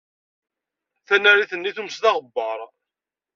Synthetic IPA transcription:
θænæɾiθənːiθuməsðɑʁəbːəɾˤ

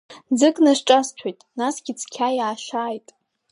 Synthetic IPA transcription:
d͡zɨkʼnaʂʈ͡ʂʼast͡ɕʷʰojtʼnasɡʲit͡sʰkʲʰajaːʃaːjtʼ

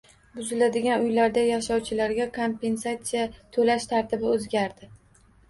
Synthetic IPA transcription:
bʊzɪlad̪ɪɡʲanʊjlaɾd̪ajaʃɒwt͡ʃʰɪlaɾɡʲakʰompe̞nsat̪sijat̪ʰɵlaʃt̪ʰaɾt̪ɪbɪɵzɡʲaɾd̪ɪ

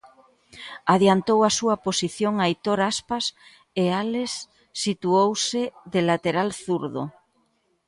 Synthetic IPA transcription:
aðjant̪owasuɐposiθjoŋajt̪oɾaspas | ealesː | it̪uowsɪðelat̪eɾalθuɾðo̰

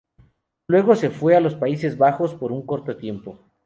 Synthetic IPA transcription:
lwe̞ɣo̞se̞fwe̞alo̞spaise̞zβaxo̞spo̞ɾuŋko̞ɾt̪ot̪je̞mpo̞

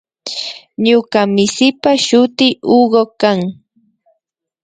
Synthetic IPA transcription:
ɲʊkamɪsɪpaʃʊt̪ɪuɢokaŋ

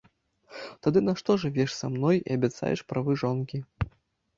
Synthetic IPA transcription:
t̪ad̪ɨnaʂt̪ɔʐɨvʲɛʂsamnɔjḭɐbʲat̪sa̰jɛ̰ʂpɾavɨʐɔnkʲi

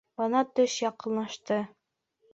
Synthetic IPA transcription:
bɤ̆nɑt̪ɵʃjɑqɤ̆nːɑʃt̪ɤ

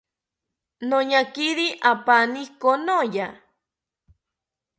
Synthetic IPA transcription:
noɲakiɾiʔapanikonoja

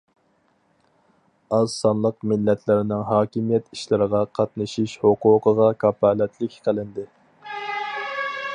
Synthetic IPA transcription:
ɑzsɑnlˠəqmɪlːɛt̪ʰlɪɾɪnɪŋɦɑːkʲimijɛt̪i̥ʃlɪɾəʁɑqʰɑt̪nɨʃiʃhoquːqʰəʁɑkʰɑpɑːlɛt̪ʰlɪkʲqʰəlˠɪnd̪ɪ

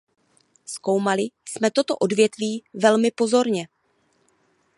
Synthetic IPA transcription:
sko̞wmalɪsmɛt̪o̞t̪o̞ʔo̞dvjɛt̪viːvɛlmɪpo̞zo̞ɾɲɛ

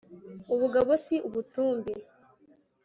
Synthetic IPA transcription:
uβuɡaβosiʔuβutuːmbe

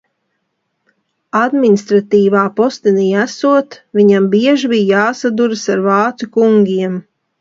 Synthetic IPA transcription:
ad̪minʲist̪ɾat̪iːvaːpɔst̪iniːæsuɔt̪vʲiɲambiɛʒibijjaːsad̪uɾɨsaɾvɑːt̪sukuŋɡʲiɛm

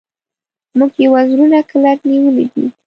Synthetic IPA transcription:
muɡjewazɾunakəlaɾniwəlid̪ḭ

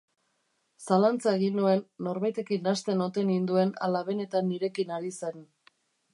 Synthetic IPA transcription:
salant͡saeɣinue̞nːo̞ɾβajt̪e̞kinːast̪e̞no̞t̪e̞nind̪ue̞na̰laβe̞ne̞t̪anːiɾe̞kinaɾise̞n

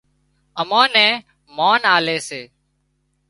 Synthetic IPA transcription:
əmãːnɛ̃ː | maːnaːleːseː

